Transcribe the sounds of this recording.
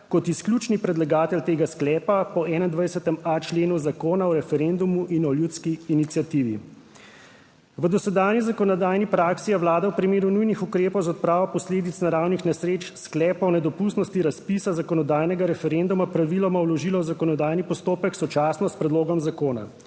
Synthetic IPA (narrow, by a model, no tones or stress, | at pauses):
kɔt̪isklʲjut͡ʃnipɾɛd̪laɡaːt̪ɛlt̪eːɡasklɛːpapɔɛːnaind̪ʋajsɛt̪ɛmat͡ʃleːnuzakoːnaɔɾɛfɛɾɛnd̪umuʔinɔljut̪skiːnit̪sjat̪iːʋi | ʋəd̪ɔsɛd̪aːnjizakɔnɔd̪aːjnipɾaːksiaʋwlaːd̪awpɾimeːɾunujnixukɾeːpɔwzaɔt̪̚pɾaːʋɔpɔsleːd̪it̪snaɾawnixnasɾeːt͡ʃsklɛːpɔwnɛd̪ɔpust̪nɔst̪iɾaspisazakɔnɔd̪aːjnɛɡaɾɛfɛɾɛnd̪umapɾaʋilɔmawlɔʒiːlɔwzakɔnɔd̪aːjnipɔst̪oːpəksɔt͡ʃaːsnɔspɾɛd̪loːɡɔmzakoːna̰